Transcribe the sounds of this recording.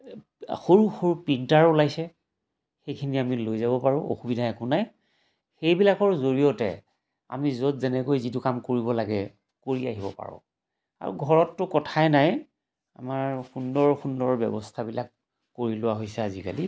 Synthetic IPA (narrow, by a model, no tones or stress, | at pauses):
xoɹuxoɹupintaɹulajsɛ | xejkʰiniamilojzabɔpaɹʊ̃ʔo̰xubidʱaɛkʊnaj | xejbilakɔɹzoɹiɔtɛ̰ | a̰mizotzɛnɛkojzitʊkamkoɹibɔlaɡɛ | koɹiaɦibɔ̰pa̰ɹɔ̰̃ | a̰ɹṵɡʱɔɹɔtːʊkɔtʰajnaj | a̰maɹxundɔɹxundɔɹbjɛ̰bɔstʰabilakː | oɹilʊwaɦojsɛazika̰li